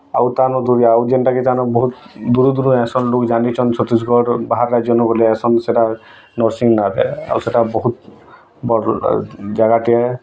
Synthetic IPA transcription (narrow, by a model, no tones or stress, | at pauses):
a̰wt̪anɔd̪uɾiaawd͡ʒenʈakit̪anɔbɔɦut̪d̪uɾud̪uɾuɛsɔnlokd͡ʒanit͡ʃʰɔnt͡ʃʰɔt̪is̬ɡɔɾbaɦaɾːad͡ʒɔnɔbɔliɛsɔnseʈa | nɔɾsiŋnad̪ɛ̰a̰wseʈabɔɦut̪ | bɔ | d͡ʒaɡaʈia